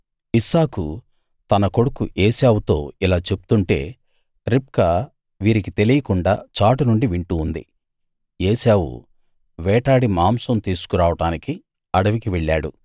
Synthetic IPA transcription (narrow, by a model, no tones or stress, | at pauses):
isaːku | t̪ɐnɐko̞ɽukuʔeːsaːwut̪o̞ːilaːt͡ʃe̞pu̥t̪uɳʈe̞ː | ɾip̚kɐ | ʋiːɾik̬it̪e̞lijɐkuɳɖa̰ːt͡ʃaːʈunuɳɖiʋiɳʈuːnd̪ḭ | eːsaːwṵ | ʋɛːʈaːɽimaːmsɐmt̪iːsu̥kuɾaːʋɐʈaːniki | ɐɽɐʋikiʋeɭːaːɽu